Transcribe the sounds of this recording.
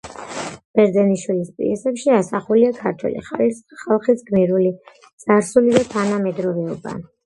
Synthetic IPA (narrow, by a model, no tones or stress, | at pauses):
b̥ɛɾzɛniʃwilispʼḭɛsɛpʃiasaχuliakʰaɾt̪ʰwɛ̰lḭχalisχalˠχisɡmiɾuli | t̪sʼaɾsulid̪at̪ʰanamɛd̪ɾɔvɛɔba̰